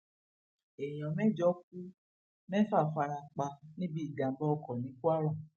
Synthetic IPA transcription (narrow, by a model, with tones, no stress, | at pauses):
e˨j̃ɔ̃˨mɛ̃˦˨d͡ʒɔ˦k̚u˦ | mɛ̃˦fa˦˨fa˧ɾa˧k͡pa˧nĩ˦bi˦i˦˨ɡa˨˦bɔ˦ɔ˧kɔ˨nĩ˨˦ku˦a˦ɾɔ˦˨